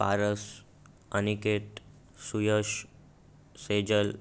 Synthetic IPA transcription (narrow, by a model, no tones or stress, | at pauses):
pa̰ɾəs | ənikeʈ | sujəʃ | sed͡ʒəl